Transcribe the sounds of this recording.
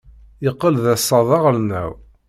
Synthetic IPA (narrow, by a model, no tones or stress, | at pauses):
jəqːəlðæsˤːɑðˤɑʁlnːæ̰w